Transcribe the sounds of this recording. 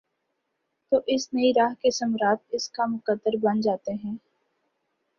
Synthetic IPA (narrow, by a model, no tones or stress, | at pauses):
t̪oːʔɪsnɐiɾaːɦkesɐmɾaːt̪ɪskamʊkəd̪ːəɾbɐnd͡ʒaːt̪eɦɛ̃ː